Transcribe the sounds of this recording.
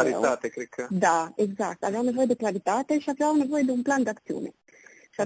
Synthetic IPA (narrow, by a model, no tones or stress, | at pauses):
aɾit̪at̪ekɾikʰːad̪aɛɡzak̚t̪avawnevɔjd̪eklaɾit̪at̪eʃapawnevɔjd̪umpland̪ak̪sjṵnḛ | ʃa